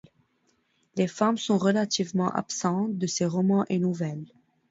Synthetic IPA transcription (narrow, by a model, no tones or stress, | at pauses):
lefamsɔ̃ʁəlat̪ivmɑ̃ʔa̰psɑ̃td̪əseʁɔmɑ̃ʔenuvɛl